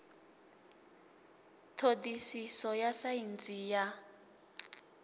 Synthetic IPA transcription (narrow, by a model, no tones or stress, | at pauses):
t̪ʰodisisɔjasaint͡sʼija